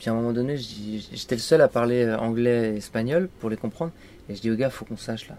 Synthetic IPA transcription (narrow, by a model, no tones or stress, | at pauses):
piɛ̃mɔmɑ̃d̪ɔneʒəd̪iʒet̪ɛləsœlapaʁleøɑ̰̃ɡlɛɛspaɲɔlpuʁlekɔ̃pχɑ̃d̪ | eʒəd̪ioɡafokɔ̃saʃla̰